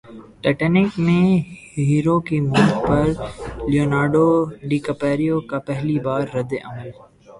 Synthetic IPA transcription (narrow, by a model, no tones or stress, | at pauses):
ʈɛːʈɛnɪkmẽ | ɦiːɾokimʊlkpɐɾlioːnaːɖoɖikɐpɛːɾijokapɛɦlibaːɾːɐd̪eʔɐməl